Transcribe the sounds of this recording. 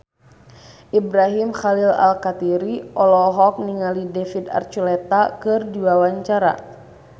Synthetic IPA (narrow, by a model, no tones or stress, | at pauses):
ʔibɾaɦimxalila̰lkat̪iɾiʔɔlɔɦɔk̚niŋalidɛfid̪a̰rt͡ʃulɛt̪akɨrdiwawaɲt͡ʃaɾa̰